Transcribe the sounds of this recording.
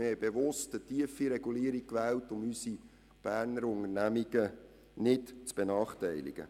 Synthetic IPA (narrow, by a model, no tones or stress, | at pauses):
ɪhɛjbeʋʊstətiəfiɾɛɡuliːəɾik̚kʋæːltʊmysi | b̥æːɾnəɾʊŋəɾnæmiɡə | nɪtt͡sb̥enɑːχtɛɪlḭɡ̥ə̰